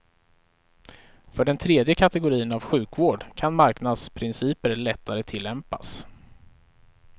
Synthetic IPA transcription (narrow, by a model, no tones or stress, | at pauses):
fœɖɛnt̪ʰɾeːd̪jəkʰat̪ɛɡʊɾiːənavɧʉ̟ːkvoːɖkʰanmaɾknad̪spʰɾɪnsiːpəɾɭɛt̪ʰːaɾət̪ʰɪlːɛmpa̰s